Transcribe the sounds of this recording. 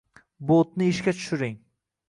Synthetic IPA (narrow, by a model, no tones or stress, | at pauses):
bot̪nɪɪʃkʲat͡ʃʰʊ̥ʃʊɾɪŋ